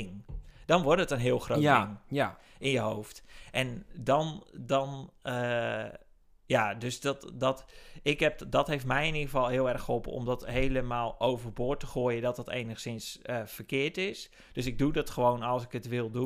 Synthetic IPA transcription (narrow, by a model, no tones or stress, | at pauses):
ŋd̥ɔnʋʊrtətənɦɪəlˠxroɪŋ | ɪnjəɦowftʔɛndɔndɔnə | jadøsdɔtdɔtɪkɦɛpdɔtɦeftmɛjɪniχəfɔlˠɦɪəɛrxolˠpə̰ɔ̰mdɔtɦejləmaːlˠowvərbʊːtəχoːjədɔt̚dətḛjnəxsɪnsəfərkɪːəɹtɪs | d̥øsɪɡ̚dudɔtxəʋoːnɔlˠsɪkətʋɪlˠdu